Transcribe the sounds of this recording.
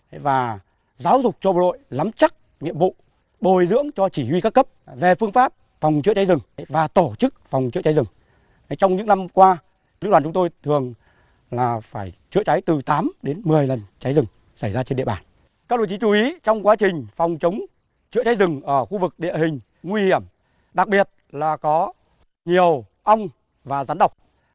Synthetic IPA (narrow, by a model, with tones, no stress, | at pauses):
vaː˨˩ | zaː˨˦wzʊ˨˩k͡p̚t͡ɕɔ˧ɓo˧˩ɗo̰˧˨jla˨˦mt͡ɕa˦˥k̚ | ŋḭ˧əmvṵ˧˨ | ɓo˨˩jzɨ̰˧˥əŋt͡ɕɔ˧t͡ɕi˧˩hwi˧ka˦˥kːə˦˥p̚ve˨˩fɨ˧əŋfaː˦˥p̚ | fɔ˨˩wŋ͡mt͡ɕɨ̰˧˥ət͡ɕa˨˦jzɨ˨˩ŋvaː˨˩t̪o˧˩t͡ɕɨ˦˥k̚fɔ˨˩wŋ͡mt͡ɕɨ̰˧˥ət͡ɕa˨˦jzɨ˨˩ŋ˨˦ | jt͡ɕɔ˧wŋ͡mɲɨ̰˧˥ŋna˧mkwaː˧ | lɨ˦˥k̚waː˨˩t͡ɕʊ˨˦ŋ͡mt̪o˧jt̪ʰɨ˨˩əŋ | laː˨˩faː˧˩jt͡ɕɨ̰˧˥ət͡ɕa˨˦jt̪ɨ˨˩t̪aː˨˦mɗe˨˦nmɨ˨˩əjlə˨˩nt͡ɕa˨˦jzɨ˨˩ŋ | sa˧˩jzaː˧t͡ɕe˧nɗḭ˧ə˨ɓaː˨˩n | ka˦˥k̚ɗo̰˧˨˩t͡ɕi˨˦t͡ɕu˨˦ʔi˨˦t͡ɕɔ˧wŋ͡mkwaː˨˦t͡ɕï˨˩ŋ̟fɔ˨˩wŋ͡mt͡ɕə˨˦wŋ͡m | t͡ɕɨ̰˧˥ət͡ɕa˨˦jzɨ˨˩ŋʔəː˧˩xu˧vɨ˨˩k̚ɗḭ˧˨əhï˨˩ŋ̟ | ŋwi˧hi˧˩əm | ɗa˨˩k̚ɓi˨˩ət̚laː˨˩kɔ˨˦ | ɲi˨˩əw | ʔə˧wŋ͡m | vaː˨˩zaː˨˦nɗə˨˩wk͡p̚